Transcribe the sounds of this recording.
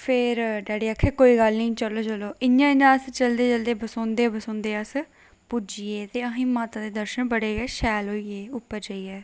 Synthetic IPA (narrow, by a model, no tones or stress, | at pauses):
pʰɪɾɖɛːɽeːakʰːeːkoːiːɡəlnĩĩːt͡ʃəloːt͡ʃəloːʔɪjãːɪnãːəst͡ʃəld̪eːt͡ʃəld̪eːbəsõːnd̪eːbəsõːnd̪eːəs | pʊd͡ʒiːeːt̪eːəɦĩːmaːt̪ãːd̪eːd̪əɾʃənbəɽeːɡɛːʃɛːlɦoːiːeːʊpːəɾd͡ʒaːiːɛː